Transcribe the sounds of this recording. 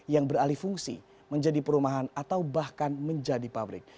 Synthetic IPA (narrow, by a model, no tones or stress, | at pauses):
jaŋbəralifuŋsḭ | məɲd͡ʒadipəɾumaɦanat̪awbahkanməɲd͡ʒadipabɾɪ̰k̚